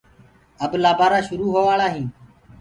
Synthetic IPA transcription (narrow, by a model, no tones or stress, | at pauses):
əblaːbaːɾaːʃʊɾuːɦoːʋaːɭaːɦĩː